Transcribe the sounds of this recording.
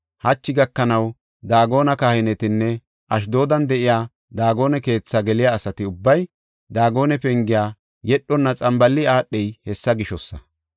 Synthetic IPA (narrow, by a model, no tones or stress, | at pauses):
hɐt͡ʃːɪɡɐkːɐnɐw | d̪aːɡo̞ːnɐkaːhɪnɛt̪ɪnːɛ | ʔɐʃ̬d̪o̞ːd̪ɐnd̪ɛʔɪjaː | d̪aːɡo̞ːnɛke̞ːt͡sːaɡɛlɪjaːsɐt̪ɪʊbːɐj | d̪aːɡo̞ːnɛpɛŋɡɪjaː | jɛɗːɔnːɐt͡sʼɐmbɐlːɪaːɗːɛjhɛsːɐɡɪʃɔsːɐ